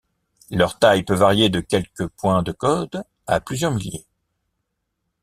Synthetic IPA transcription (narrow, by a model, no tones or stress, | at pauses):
lœʁt̪ajpøvaʁjed̪əkʲɛlkəpwɛ̃d̪əkɔd̪ | a̰plyzjœʁmiljḛ